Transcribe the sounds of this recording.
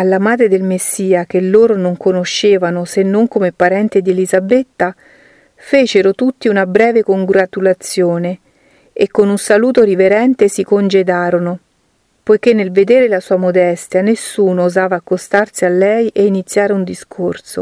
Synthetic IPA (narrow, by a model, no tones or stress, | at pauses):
alːamaːd̪ɾed̪elmesːiːak̟elːoːɾonoŋkonoʃːeːvanosenːoŋkomepaɾɛnt̪ed̪ielizabet̪ːa | feːt͡ʃeɾot̪ut̪ːiunabɾɛːvekoŋɡɾat̪ulat̪sːjoːne | ekːonunsaluːt̪oɾiveɾɛnt̪esikond͡ʒed̪aːɾono | pojk̟enːelved̪eːɾelasuːamod̪ɛst̪janesːuːnoːzaːvaːkːost̪arsialːɛjʔeinit̪sːjaːɾeund̪iskʰorso̰